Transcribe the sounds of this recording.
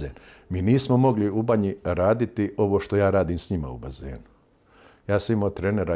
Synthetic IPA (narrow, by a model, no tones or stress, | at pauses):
eːnmiːniːsmo̞mo̞ɡliubaɲiɾaːd̪it̪iʔo̞ʋoʃt̪o̞jaːɾaːd̪iːmsɲima̰ṵba̰zḛːnu̥ | jaːsaimot̪ɾeneɾa